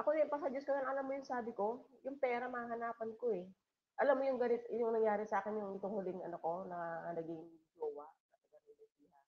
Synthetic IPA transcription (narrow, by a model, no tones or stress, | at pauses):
ʔɐkod̪ŋpɐs̬ad͡ʒʊskonɐnʔɐlamːojʊŋsaːbɪko̞jʊŋpɛːɾɐmɐaɦɐnaːpɐnkoɛ | ʔɐlamːojʊŋɡɐlɪt̪jʊŋnɐŋjaːɾɪsɐʔaːkɪnjʊŋɪt̪oŋhʊlɪŋɐnɐko̞nɐnɐɡɪŋd͡ʒoːwɐʔnɐt̪ɐɡɐɾɪlɪihɐ